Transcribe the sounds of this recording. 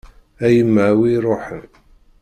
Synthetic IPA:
æjəmːʕwiɾˤoħən

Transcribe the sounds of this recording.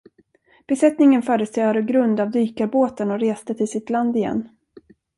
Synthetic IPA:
b̥ɛsɛt̪nɪŋənfœːɾəst̪øːaɾəɡɾɵnd̪avd̪yːkaɾboːt̪ənɔɾeːst̪ət̪ʰɪlsɪt̪land̪ɪjɛ̰nː

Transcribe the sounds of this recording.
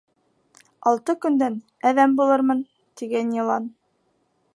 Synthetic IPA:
ɑlˠt̪ɤkɵ̆nd̪æn | æðæmbulˠɤɾmɤn | t̪iɡænjɤ̆lˠɑn

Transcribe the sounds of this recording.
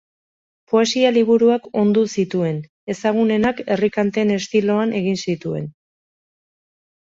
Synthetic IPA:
po̞e̞sialiβ̞uɾuako̞nd̪usit̪ue̞n | e̞saɣ̞une̞nake̞rikant̪e̞ne̞st̪ilo̞anʔe̞ɣ̞insit̪ue̞̰n

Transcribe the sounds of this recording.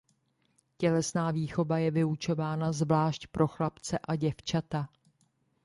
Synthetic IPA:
cɛlɛsnaːviːxo̞vajɛvɪut͡ʃo̞vaːnazvlaːʃcpɾʔo̞xlapt͡sɛʔaɟɛft͡ʃat̪a

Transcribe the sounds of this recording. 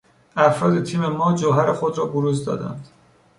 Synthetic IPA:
æfɾɒːd̪et̪ʰiːme̞mɒːd͡ʒoɦæɾexod̪ɾɒːboɾuːzd̪ɒ̰ːd̪æ̰nd̪̥

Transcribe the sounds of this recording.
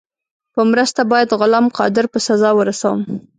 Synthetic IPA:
pəmɾəst̪abɑjad̪ɣʊlamqɑ̰d̪ɪɾpəsazɑwəɾasawə̰m

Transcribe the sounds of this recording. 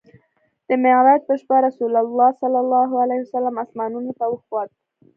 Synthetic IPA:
d̪̥əmɪɾat̪̚pəʃpaɾasulalːɑsalːalːɑɦualahsalːamasmɑnunot̪awəxwɑd̪̚

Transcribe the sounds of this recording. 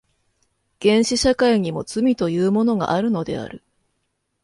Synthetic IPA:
ɡ̥ẽ̞ɰ̃ɕiɕakaiɲ̟imo̞t͡sɨmʲit̪o̞jɯːmo̞no̞ɡa̰ʔaɾɯ̟no̞d̪e̞̰a̰ɾɯ̟

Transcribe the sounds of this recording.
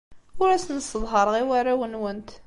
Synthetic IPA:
ʊɾæsnəsəðˤɦəɾˤʁiwæɾæwənwənt̪

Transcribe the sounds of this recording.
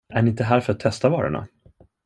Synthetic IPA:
æɾɪnt̪əɦæːɾfœɾat̪ʰːɛst̪avɑːɾʊ̰ɳa̰

